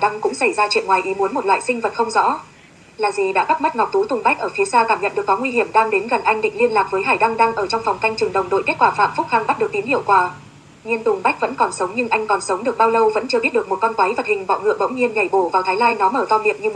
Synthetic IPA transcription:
ɗa˧ŋkʊ̰˧˥ŋ͡msa˧˩jzaː˧t͡ɕḭ˧˨əŋwaː˨˩jʔi˨˦mu˨˦ənmo˨˩t̚la̰ː˧˨jsï˧ŋ̟və˨˩t̚xə˧wŋ͡mzɔ̰˧˥ | laː˨˩zi˨˩ɗa̰ː˧˥ka˦˥t̚mə˦˥t̚ŋɔ˨˩wk͡p̚t̪u˨˦t̪ʊ˨˩ŋ͡mɓa˦˥k̚ʔəː˧˩fi˨˦saː˧t̪aː˧˩mɲə̰˧˨nɗɨ˨˩ə˩kːɔ˨˦ŋwi˧hi˧˩əmɗaː˧ŋɗe˨˦nɣə˨˩nʔa˧jŋɗḭ̈˧˨ŋ̟li˧ənlaː˨˩k̚vəː˨˦jɦaː˧˩jɗa˧ŋɗa˧ŋʔəː˧˩t͡ɕɔ˧wŋ͡mfɔ˨˩wŋ͡mk̪a˧jŋ̟t͡ɕɨ˨˩ŋɗə̰˧˨wŋ͡mɗo̰˧˨jke˦˥t̚kwaː˧˩fa̰ː˧˨mfʊ˦˥k̚xa˧nɓa˦˥ɗɨ˨˩ək̚t̪i˨˦mhḭ˧˨əwkwaː˧˩ | ɲi˧ənt̪ʊ˨˩ŋ͡mɓa˦˥k̚və̰˧˥nkɔ˨˩nsə˨˦wŋ͡mɲɨ˧ŋʔa˧jŋ̟kɔ˨˩nsə˨˦wŋ͡mɗɨ˨˩ək̚ɓaː˧wlə˧wvə̰˧˥nt͡ɕɨ˧əɓi˦˥t̚ɗək̚mo˨˩t̚kɔ˧nt̪wa˨˦jvə˨˩t̚hï˨˩ŋ̟ɓɔ̰˧˨wŋɨ̰˧˨əɓə̰˧˥wŋ͡mɲi˧əmɲa˨˩jɓo˧˩vaː˨˩wt̪ʰaː˨˦jlaː˧jnɔ˨˦məː˧˩t̪ɔ˧mi˨əmɲɨ˧

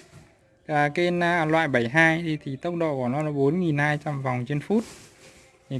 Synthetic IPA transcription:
kaː˨˩ke˧n˧lwa̰ː˧˨jɓə˧˩jɦaː˧jt̪ʰi˨˩t̪ʰi˨˩t̪ə˦˥wk͡p̚ɗo̰˧˨ku˧˩nɔ˨˦laː˨˦ɓo˨˦nŋi˨˩nhaː˧jt͡ɕa˧mva˨˩wŋ͡mt͡ɕe˧nfu˦˥t̪̚ʰ | i˨˩

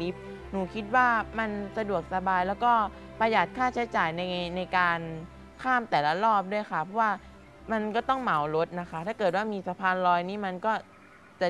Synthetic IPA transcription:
li˦˥p̚ | nuː˨˩kʰi˦˥t̪̚waː˥˩ma˧nsa˧du˨˩ək̚sa˧baː˧jlɛː˦˥wkɔː˥˩ | pa˧jaː˨˩t̪̚kʰaː˥˩t͡ɕʰa˦˥jt͡ɕaː˨˩jna˧jna˧jkaː˧n | kʰaː˥˩mt̪ɛː˨˩la˦˧˥lɔː˥˩p̚du˥˩əjkʰa˦˥˩pʰɔ˦˥waː˥˩ | ma˧nkɔː˥˩t̪ɔ˥˩ŋma˩˦wlo˦˥t̪̚na˦˥kʰa˦˥t̪ʰaː˥˩kɤː˨˩t̪̚waː˥˩miː˧sa˧pʰaː˧nlɔː˧jniː˦˥˩ma˧nkɔː˥˩ | t͡ɕa˨˩

